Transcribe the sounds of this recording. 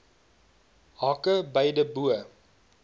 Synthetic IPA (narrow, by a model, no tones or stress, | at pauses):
ɦɑkəbəjdəbuə